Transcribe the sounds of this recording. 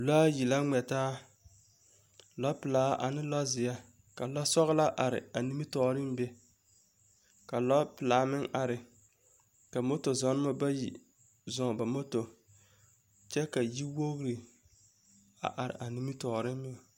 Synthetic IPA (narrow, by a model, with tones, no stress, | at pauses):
laː˦ji˨la˦ŋɛ˨taː˦ | lɔ˦pɨ˨laː˨˦ʔa̰˨nɪ˦lɔ˦zɪ˨ja˦ | ka˨lɔ˦sɔ˦ɣla˦ʔa˨ɾɪ̰˨a˨ni˦mi˦tɔː˨ɾɪ˦m˦bɛ˦ | ka˨lɔ˦pɪ˨laː˨˦mɪ˦ŋʔa˨ɾɪ˨ | ka˨mo˦to˨zɔ˨˦n˦ma˦ba˦jḭ˨ | zɔ˨ŋ˨ba˨mo˦to˨ | t͡ʃɛ˦ka˨ji˦wo˦ɣɾi˨ | a̰˨ʔa˨ɾɪ̰˨ʔa˨ni˦mi˦tɔː˨ɾɪ˦m˦mɪ˦˨